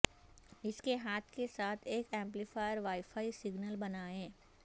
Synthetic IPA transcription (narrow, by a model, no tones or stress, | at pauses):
ɪskeɦaːt̪ʰkesaːt̪ʰeːkɛ̃ːmplifaːjəɾʋaːɪfaːisɪɡnəlbɐnaːẽː